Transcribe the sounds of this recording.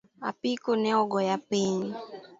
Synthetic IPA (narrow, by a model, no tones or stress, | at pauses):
a̰pikunɛɔɡɔjapeɲi